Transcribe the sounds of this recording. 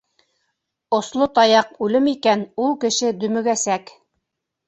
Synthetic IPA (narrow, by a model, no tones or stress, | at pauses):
ŏslˠot̪ɑjɑq̚ʉlɘmikænulˠkɘ̆ʃɘd̪ɵ̆mɘ̆ɡæsæk